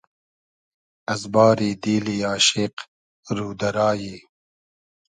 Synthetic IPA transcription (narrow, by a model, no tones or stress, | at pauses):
ɐzbɑːɾid̪iːliaːʃɪq | ɾuːd̪ɐɾaːjeː